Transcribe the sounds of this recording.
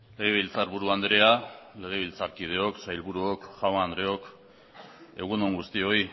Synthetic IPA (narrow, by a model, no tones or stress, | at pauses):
le̞ɣ̞e̞βilt͡saɾβuɾuand̪ɾe̞ale̞ɣ̞e̞β̞ilt͡saɾkið̞e̞o̞ksajlβuɾuokʝawand̪ɾe̞o̞k | e̞ɣ̞unoŋɡust̪io̞i